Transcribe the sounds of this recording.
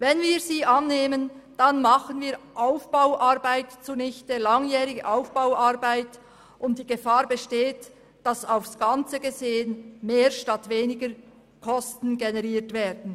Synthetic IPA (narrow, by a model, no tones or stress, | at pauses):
vɛnviːɾziːʔɑnːeːmənd̥anmɑχənviːʔaʊfb̥aʊʔaɾbaɪtt͡suːnɪçtəlɑŋjɛːʁɪɡə̰ʔaʊfb̥awaʁbaɪt | ʔʊnt̚d̥iːɡəfaːʁbəʃteːt | d̥ɑsaʊfsɡ̥ɑnt͡səɡəzeːənmeːʁʃtɑtveːnɪɡəɾ | kʰɔstn̩ɡenɛʁiːɾtveːɾdn̩